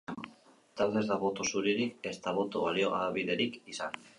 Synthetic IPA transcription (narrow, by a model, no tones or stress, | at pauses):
t̪aɾðe̞zðaβo̞t̪o̞suɾiɾike̞st̪aβo̞t̪oβalio̞ɣaβiðe̞ɾikisan